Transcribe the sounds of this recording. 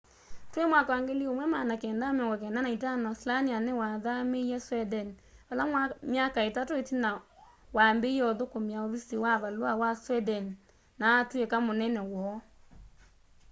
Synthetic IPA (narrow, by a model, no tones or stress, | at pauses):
twemwakaaŋɡeliomwɛmaːnakɛːndamɛŋɡak̬ɛːndanaitanɔsilanianewaðameiɛswɛdɛn | alamjakaetatoetina | wambeiɔðokomiaoβisiwaβalwawaswɛdɛn | naːtwekamonɛnɛwɔ